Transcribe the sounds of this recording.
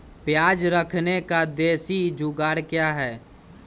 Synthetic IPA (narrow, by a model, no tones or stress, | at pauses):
pjaːd͡ʒɾəkʰnekad̪eːsid͡ʒʊɡaːɾkjaːɦɛː